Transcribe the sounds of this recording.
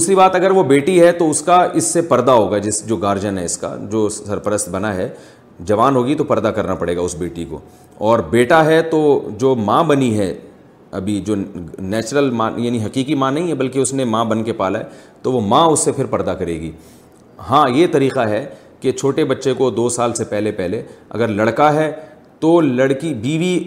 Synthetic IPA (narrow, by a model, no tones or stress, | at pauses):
d̪uːsɾibaːt̪ɐɡəɾʋobeːʈiɦɛt̪oʊskaɪsːepɐɾd̪aɦoːɡad͡ʒɪsd͡ʒoːɡaːɾd͡ʒənɦɛɪska̰d͡ʒoːɐɾpəɾəst̪̚bɐnaɦɛ | d͡ʒɐʋaːnɦoːɡit̪opɐɾd̪akɐɾnapɐɽeːɡaʊsbeːʈiko̰ː | ɔːɾbeːʈaɦɛt̪od͡ʒoːmãːbɐniɦɛ | ɐ̰bʱid͡ʒoːnɛːt͡ʃɾəlmãːjaːniɦɐqiːkimãnɐɦĩɦɛbɐlkeʊsnemãːbɐnkepaːlaɦɛt̪oʋomãːʊsːepʰɪɾpɐɾd̪akɐɾeːɡḭː | ɦãːjet̪ɐɾiːqaɦɛ | ket͡ʃʰoːʈebɐtːʃekod̪oːsaːlsepɛɦlepɛɦleɐ̰ɡəɾlɐɽkaɦɛ | t̪oːlɐɽkibiːʋi